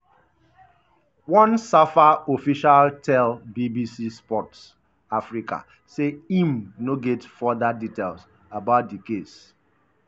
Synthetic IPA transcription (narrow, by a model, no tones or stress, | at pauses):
wɔ̃nsafaofiʃaltʰɛlbibisispɔts | afɹika̰ | seĩmnoɡɛtfɔðaditels | abaʊt̚dikes